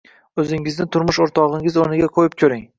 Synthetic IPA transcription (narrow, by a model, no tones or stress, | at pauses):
ɵzɪŋɪznɪt̪ʰʊɾmʊʃoɾt̪ʰɒʁɪŋɪzonɪɡʲaqʰojɪp̚kʲʰɵɾɪŋ